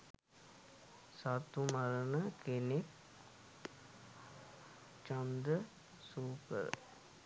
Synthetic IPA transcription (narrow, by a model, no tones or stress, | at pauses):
sat̪umaɾənəkenek | t͡ʃand̪ə | suːkə̰ɾə̰